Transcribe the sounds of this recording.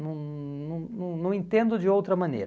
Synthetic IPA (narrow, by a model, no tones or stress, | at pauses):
nɐ̃w̃ | nɐ̃w̃nɐ̃w̃nɐ̃w̃ẽnt̪ẽnd̪ʊd͡ʒɪowt̪ɾɐmɐ̃nḛjɾ